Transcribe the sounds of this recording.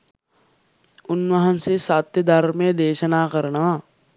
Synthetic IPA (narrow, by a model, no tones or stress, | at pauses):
ʊnʋɐɦə̃nsesaːt̪jəd̪aɾmẽd̪eːʃənaːkəɾnaː